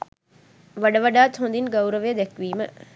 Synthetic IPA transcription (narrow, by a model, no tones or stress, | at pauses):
ʋaɖɐʋɐɖaːt̪ɦond̪inɡɐwɾəʋejəd̪ɛkʋiːmə